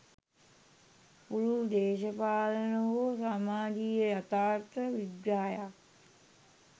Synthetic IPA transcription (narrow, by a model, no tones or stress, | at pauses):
puɾud̪eːʃɐpaːlənɐʋosamaːɡijəjat̪aːɾt̪ʰəʋibɾaːjak